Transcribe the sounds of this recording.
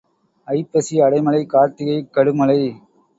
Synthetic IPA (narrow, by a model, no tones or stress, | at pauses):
ɐɪpːɐsiɐɽɐɪmɐlɐɪkaːɾt̪ɪɣɐɪkːɐɽɯmɐlɐɪ